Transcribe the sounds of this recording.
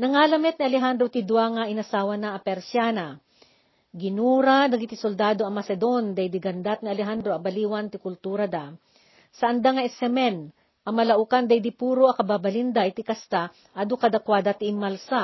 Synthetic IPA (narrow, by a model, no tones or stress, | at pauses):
nɐŋalɐmɛt̪̚niʔɐlɛɦand̪ɾot̪ɪd̪waŋaʔɪnɐsaːwɐnaʔɐpɛɾsjaːnɐ | ɡɪnuːɾad̪ɐɡɪt̪ɪsold̪aːd̪oʔɐmɐsɛd̪o̞nd̪ɐjd̪ɪɡɐnd̪at̪̚nɪɐlɛɦand̪ɾoʔɐbɐliːwɐnt̪ɪkʊlt̪uːɾɐd̪a | sɐʔɐnd̪aŋɐʔɛsɛmɛn | ʔɐmɐlɐʔukand̪ɐjd̪ɪpuːɾoʔɐkɐbabɐlind̪aʔɪt̪ɪkɐst̪a | ʔɐd̪okɐd̪ɐkwad̪at̪ɪɪmːalsa